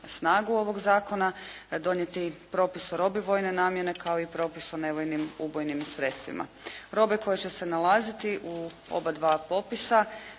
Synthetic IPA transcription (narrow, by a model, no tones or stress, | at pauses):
snaːɡuo̞ʋo̞ɡzaːko̞nad̪o̞nje̞t̪ipɾo̞ːpisoɾo̞biʋo̞jne̞naːmje̞ne̞kao̞ipɾo̞ːpisone̞ʋojnimubojnimsɾe̞t̪st̪ʋḭmʔa̰ɾo̞beko̞jet͡ɕe̞se̞nalˠaːzit̪iʔuo̰bad̪ʋaːpo̞pisa